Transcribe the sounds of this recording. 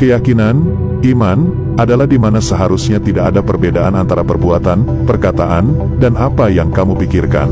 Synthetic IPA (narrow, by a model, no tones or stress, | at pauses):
kəjakinan | iman | ʔadalahdimanasəɦaɾusɲat̪idaʔadapərbedaʔanant̪aɾapərbuat̪an | pərkat̪a̰ʔan | danapajaŋkamupikirka̰n